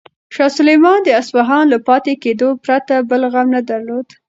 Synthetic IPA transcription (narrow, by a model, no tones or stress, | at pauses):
ʃɑsʊlajmɑnd̪əaswaɦɑnlapɑt̪eked̪opɾat̪abəlɣamnad̪aɾlod̪̥